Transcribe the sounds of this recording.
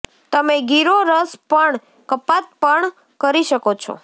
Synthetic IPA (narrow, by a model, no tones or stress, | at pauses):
t̪əmeɡiɾoɾəspəɳ | kəpat̪̚pəɳ | kəɾiʃəkot͡ʃʰo̰